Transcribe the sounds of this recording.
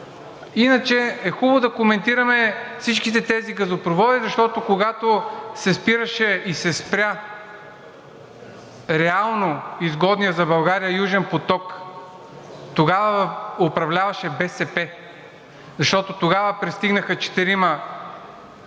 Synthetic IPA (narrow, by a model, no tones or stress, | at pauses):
inət͡ʃɛɛxubod̪ɐkomɛnt̪iɾɐmɛfsit͡ʃkit̪ɛt̪ɛziɡɐzopɾovɔd̪izɐʃt̪ɔt̪okoɡat̪osɛspiɾɐʃɛisɛspɾʲja | ɾɛalˠnoizɡɔd̪nijəzɐbɐlˠɡaɾijəjuʒɛnpot̪ɔk | t̪oɡavəopɾɐvlʲavɐʃɛbɛsɛpɛ | zɐʃt̪ɔt̪ot̪oɡavəpɾist̪iɡnəxɐt͡ʃɛ̥t̪iɾimɐ